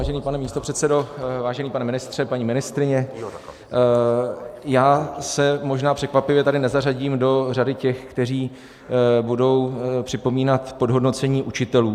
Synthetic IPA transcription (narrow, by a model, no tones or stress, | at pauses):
aːʒɛniːpanɛmiːst̪opr̥ɛt̪sɛdo̞vaːʒɛniːpanɛmɪnɪst̪r̥ɛpaɲiːmɪnɪst̪ɾɪɲɛ | jaːsɛmo̞ʒnaːpr̥ɛkvapɪvjɛt̪adɪnɛzaraɟiːmdo̞radɪcɛxkt̪ɛr̝iː | budo̞wpr̥ɪpo̞miːnat̪po̞dɦo̞dno̞t͡sɛɲiːʔut͡ʃɪt̪ɛluː